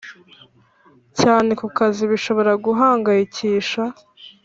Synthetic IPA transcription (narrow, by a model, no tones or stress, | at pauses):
caːne̞kukaziβiʃo̞βo̞ɾaɡuɦaːŋɡajiciːʃa